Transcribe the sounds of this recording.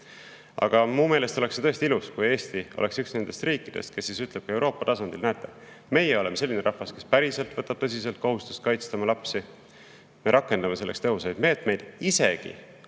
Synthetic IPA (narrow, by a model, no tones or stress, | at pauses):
ɑ̰ɡ̥ɑmuːmeːle̞st̪o̞le̞kset̪ɤe̞st̪iiluskuje̞ːst̪io̰leksyksne̞nd̪e̞st̪riːkːˑid̪e̞st̪̚ke̞sːisyt̪ˑleb̥̚kue̞wɾʔo̞ːpːˑɑt̪ɑsɑnd̪̥ilnæet̪ːˑe̞ | me̞jeo̞le̞mese̞lʲːineɾɑhvɑske̞spæɾise̞lt̪vɤt̪ːˑɑb̥̚t̪ɤ̞s̬ise̞lt̪̚ko̞ɦust̪u̥st̪kɑjt̪st̪ɑmɑlɑpsi | me̞ɾʔɑkːˑe̞nd̪ɑme̞selːekst̪e̞ɦusɑjd̪me̞ːt̪me̞jd̪̥ise̞ɡ̥ḭ